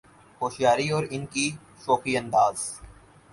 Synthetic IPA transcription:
hoːʃjaːɾiɔːɾɪnki | ʃoːkiɐ̃nd̪aːz

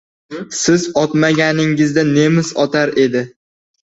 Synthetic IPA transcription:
sɪzɒt̪maɡʲanɪŋɪzd̪ane̞mɪsɒt̪ʰaɾe̞d̪ɪ

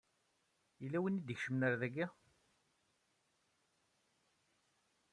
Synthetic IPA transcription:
ilːæwinid̪çʃəmnəɾðæɡæ

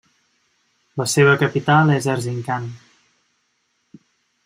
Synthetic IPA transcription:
ləseβəkəpit̪alˠɛzəɾziŋkan

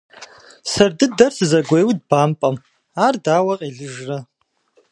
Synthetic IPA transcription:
sɐrdɨdɐrtʰzɐɡʷejwd̚baːmpʼɐm | ardaːwaqʼiɮɨʒra

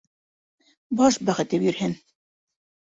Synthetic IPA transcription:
bɑʃbæχɘ̆t̪ɘpjɵ̆ɾhɘn

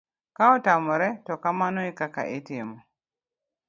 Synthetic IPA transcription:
kaɔtamɔɾɛtɔkamanɔikaka̰ʔitɪmɔ

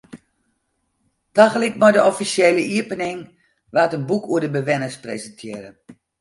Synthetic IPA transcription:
taɣəlɪk̚mɔjdəɔfisjeːləʔiəpənɪŋ | ʋaːtənbukʰuədəbəʋɛnəsprḛzəntʰjɪəɾə

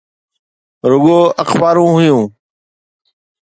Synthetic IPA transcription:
ɾʊɠoːəxbaːɾũːɦʊjũː

